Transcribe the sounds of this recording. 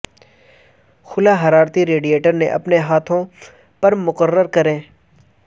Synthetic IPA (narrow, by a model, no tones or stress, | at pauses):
xʊlaɦɐɾaːɾt̪iɾeːɖijeːʈəɾnḛʔɐpneɦaːt̪ʰõ | pɐɾmʊqərːəɾkɐɾẽː